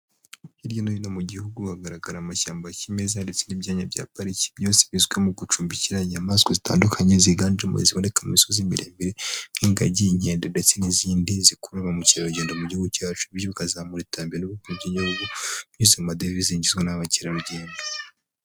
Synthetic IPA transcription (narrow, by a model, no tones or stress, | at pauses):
hiɾjonojinomuɟihuɡuhaɡaɾaɡaɾamaʃaːmbacime̞zande̞t͡se̞nibjaːɲabɟa̰ːpaɾici̥bjose̥βizɡwemuɡut͡ʃuːmbiciɾajamaskozita̰ːndukʰaɲeziɡaːnd͡ʒemuḭziβonekaumisozimiɾʔḛmbiɾeŋiːŋɡa̰ɟiiɲhe̞ːndendet͡se̞niziːndizikuɾaβamuciɾaɾuɟeːndomuɟihuɡucaːt͡ʃu̥ijoβikazaːmuɾitaːmbeɾenuβukuibɟiɲohuɡuɲizamadeviziɲɟizɡwenaβaciɾaɾuɟeːndḁ